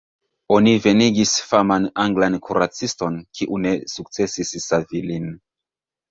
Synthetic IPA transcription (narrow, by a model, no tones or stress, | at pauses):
o̞nive̞niɡisfamanaŋɡlankʰuɾat͡sisto̞nkʰiʔune̞suk̚t͡se̞sisːavilin